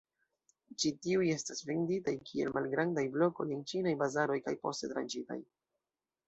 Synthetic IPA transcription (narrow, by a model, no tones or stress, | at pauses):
t͡ʃitiuje̞stasve̞nditajkʰie̞lmʔalɡɾandajblo̞ko̞̰jent͡ʃinajbazaɾo̞jkajpo̞ste̞tɾa̰nt͡ʃita̰j